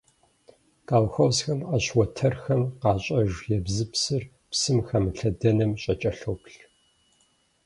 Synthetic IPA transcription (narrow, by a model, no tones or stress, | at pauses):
kʼaːwxʷɐwsxɐmɐɕwɔtʰɐrxɐmqɑːɕʼɐʒjɛbzɨpsɨr | psɨmxɐmɨɬɐdɐnɐmɕʼɐt͡ʃʼɐɬowpɬ